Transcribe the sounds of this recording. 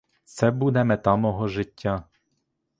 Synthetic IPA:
sɛbud̪ɛmɛt̪ɑmɔɦɔʒɪtʲːa

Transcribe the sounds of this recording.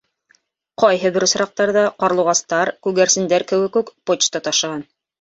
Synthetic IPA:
qɑjɦɤbɘɾŏsɾɑq̚t̪ɑɾðɑqɑɾlˠuʁɑst̪ɑɾkʉɣæɾsɘ̆nd̪æɾkɘ̆wɘ̆kʉkpot͡ɕt͡ʃt̪ɑt̪ɑʃɤ̆ʁɑn

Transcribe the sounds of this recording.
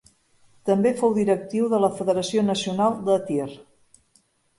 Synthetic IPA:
t̪əmbefowðiɾək̚t̪iwðələfəðəɾəsionəsiunalˠd̪ət̪ir

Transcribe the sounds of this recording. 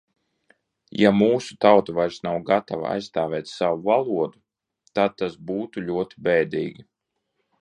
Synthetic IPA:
jamuːsu̥t̪awt̪uvajɾsnawɡat̪ava̰a̰jsst̪aːvɛːt̪sawuvalˠuɔd̪u | t̪ad̪̚t̪ːasbuːt̪uʎʲuɔt̪i̥bɛjd̪iːɡʲi

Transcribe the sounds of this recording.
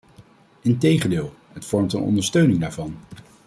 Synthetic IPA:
ɪntejχəndɪːlˠ | ɦətfɔɹmtənɔ̰ndəɹstøɥnɪŋda̰ːɹvɑn

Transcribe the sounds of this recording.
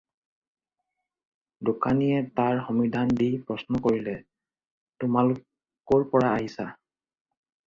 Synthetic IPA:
dʊkanijɛtaɹxɔmidʱandipɹɔsnɔkoɹilɛ | tʊmalʊk | kːɔɹpɔɹaːɦisa

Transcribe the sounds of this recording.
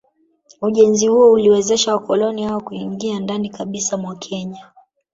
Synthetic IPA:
uʄɛnzihuɔuliwɛzɛʃawakɔlɔnihawakuiŋɡiandanikaɓisamwakʰɛɲa

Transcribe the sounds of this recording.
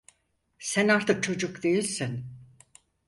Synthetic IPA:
sænaɾt̪ʰɯk̚t͡ʃʰo̞d͡ʒukd̪e̞jilʲsin

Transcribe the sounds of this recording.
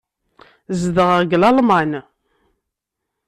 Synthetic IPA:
zðəʁəʁɡlɑlmɑn

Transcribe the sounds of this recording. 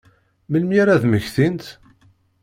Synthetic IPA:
məlmjiɾæðməçθint̪

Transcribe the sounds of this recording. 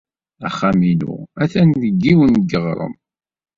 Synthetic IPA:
æχæmilʊ̰æθænðəɡːiwənɡəʁɾˤə̰m

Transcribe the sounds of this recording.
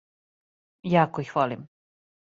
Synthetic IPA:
jaːkoixʋolim

